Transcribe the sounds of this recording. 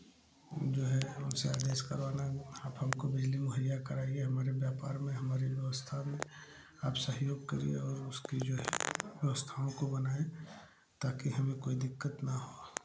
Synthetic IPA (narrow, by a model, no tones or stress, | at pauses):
d͡ʒoːɦɛʊnseaːd̪eːʃkəɾʋaːnaaːpɦɐmkobɪd͡ʒlimoɦəljakɐɾaːieɦɐmaːɾebjaːpa̰ːɾmẽɦɐmaːɾiʋjəʋəst̪ʰamẽ | aːpsəɦjoːɡ̚kəɾḭḛɔːɾʊskid͡ʒoːɦɛ̰ʋjəʋəst̪ʰaõkobɐnaːẽ | t̪aːkiɦɐmẽkoːid̪ɪkːət̪naɦoː